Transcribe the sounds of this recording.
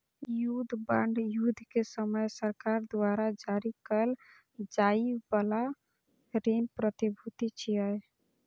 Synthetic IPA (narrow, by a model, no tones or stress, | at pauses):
jud̪ʱbəɳɖjud̪ʱkesəməjsəɾkaɾd̪waɾad͡ʒaɾikəl | d͡ʒaibəla | ɾenpɾət̪ibʱut̪it͡ʃʰiəj